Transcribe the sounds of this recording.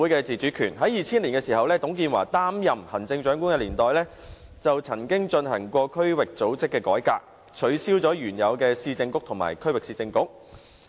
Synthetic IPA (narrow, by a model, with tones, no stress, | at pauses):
u˨˥jkɛː˧t͡siː˨˩t͡ʃyː˨˥kʰyː˨˩nɦɐ˨˥jiː˨˧t͡sʰiː˥nliː˨˩nkɛ˧siː˨˩hɐ˨wlɛː˥t̪ʊ˨˥ŋk̬iː˧nwa̰ː˨˩t̪aː˥mjɐ˨mhɐ˨˩nt͡sɪ˧ŋt͡ʃœː˨˥ŋku˥nkɛː˧liː˨˩nt̪ɔː˨jlɛː˥ | t͡sɐ˨wt͡sʰɐ˨˩ŋkɪ˥ŋt͡ʃɵ˧nhɐ˨˩ŋkʷɔː˧kʰɵ˥ɥwɪ˨k̚t͡so˨˥wt͡sɪ˥kːɛː˧kɔː˨˥jkaː˧k̚ | t͡ʃʰɵ˨˧ɥsiː˥wt͡sɔː˨˥jyː˨˩njɐ˨˧wkɛː˧siː˧t͡sɪ˧ŋkʊ˥k̚t̪ʰʊ˨˩ŋma̰ː˨˩jkʰɵ˥ɥwɪ˨ksiː˧t͡sɪ˧ŋkʊ˥k̚